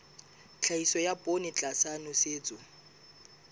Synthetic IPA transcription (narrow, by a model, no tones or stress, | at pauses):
t͡ɬʰaisɔjabʼonɪt͡ɬʼasanʊseːt͡sʼʊ